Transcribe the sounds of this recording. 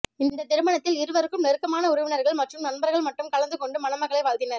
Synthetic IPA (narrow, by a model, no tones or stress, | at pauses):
ɪnd̪ɐt̪ɪɾɯmɐɳɐt̪ːɪlɪɾɯʋɐɾɯkːɯmnɛɾɯkːɐmaːnɐʊɾɐʋɪnɐɾɣɐɭmɐʈrɯmnɐnbɐɾɣɐɭmɐʈːrɯmkɐlɐnd̪ɯkɔɳɖɯmɐnɐmɐɣɐɭɐɪʋaːld̪ɪnɐɾ